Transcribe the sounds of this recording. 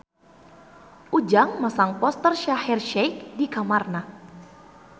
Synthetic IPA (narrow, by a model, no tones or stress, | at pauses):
ʔud͡ʒaŋmasaŋpɔst̪ərʃahɛrʃɛjkdikamarna